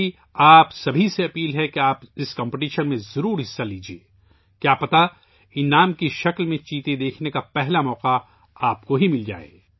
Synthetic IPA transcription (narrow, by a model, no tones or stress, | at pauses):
i | aːpsɐbʱiseɐpiːlɦɛkeaːpɪskɐ̃ːmpeʈiːʃənmẽzɐɾuːɾɦɪsːaliːd͡ʒiḛː | kjaːpɐt̪a | ɪnaːmkiʃɐklmẽt͡ʃiːt̪ed̪eːkʰnekapɛɦlamɔːqa | aːpkoɦimɪld͡ʒa̰ːḛː